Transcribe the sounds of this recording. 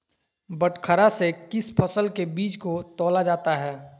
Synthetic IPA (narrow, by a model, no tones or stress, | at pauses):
bəʈkʰəɾasekɪspʰəsəlkebiːt͡ʃkot̪ɔːlad͡ʒaːt̪aɦɛː